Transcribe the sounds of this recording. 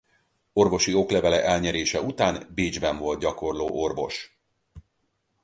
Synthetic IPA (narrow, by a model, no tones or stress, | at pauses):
o̞rvo̞ʃio̞klɛvɛlɛʔɛlɲɛɾeːʃɛut̪aːnbiːd͡ʒbɛɱvo̞lt̪̚ɟɒko̞rloːʔo̞rvo̞ʃ